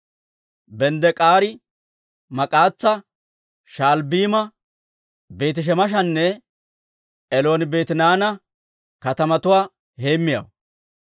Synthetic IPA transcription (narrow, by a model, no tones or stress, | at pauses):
bɛnd̪ɛkʼaːɾɪ | mɐkʼaːt͡sːɐ | ʃaːlbiːmɐ | be̞ːt̪ɪʃ̬ɛmɐʃ̬ɐnːɛ | ɛlo̞ːnɪbe̞ːt̪ɪnaːnɐ | kɐt̪ɐmɐt̪ʊwaː | heːmːɪjɐ̰w